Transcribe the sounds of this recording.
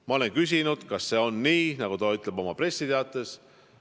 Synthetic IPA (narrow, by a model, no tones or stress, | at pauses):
mɑo̞le̞nkys̬ʲinud̪̥kɑsːe̞ːo̞nːiːnɑɡ̥ut̪ɑyt̪ˑle̞bo̞mɑpre̞sːit̪e̞ɑt̪ːˑe̞s